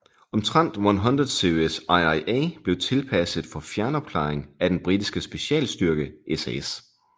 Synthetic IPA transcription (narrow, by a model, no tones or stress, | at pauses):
ɒ̽mt͡sʰʁɑn̰d̥wɒnɦɔnd̥ʁɐðˠse̝oesɑɪɑɪʔeːb̥le̝ʊt͡sʰe̝lpʰæsəð̩ˠfɒ̽fjæɐnɒ̽b̥̚kʰlɑ̰̈ɪeŋæd̥enb̥ʁid̥isɡ̥əsb̥e̝ɕɛ̰ːlsd̥yɐɡ̥əʔesees